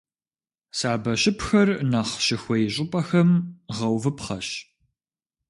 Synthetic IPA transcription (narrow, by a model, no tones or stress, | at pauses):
saːbɐɕɪpxɐrnaχɕɪxʷɔjɕʼɪpʼɐxɐmʁɐwvɨpχɐ̰ɕ